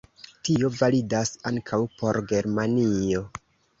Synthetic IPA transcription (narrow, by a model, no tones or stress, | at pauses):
tio̞validasaŋkʰawpo̞ɾɡe̞ɾmanio̞